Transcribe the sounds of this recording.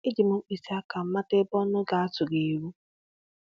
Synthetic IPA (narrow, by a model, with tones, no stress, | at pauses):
ɪ˦d͡ʒi˨mʊ˦k͡pi˨si˦a˦ka˨m̩˦ma˦te˦bɔ˦nʊ˦ɡa˨a˦tʊ˨ɡe˨ɾu˦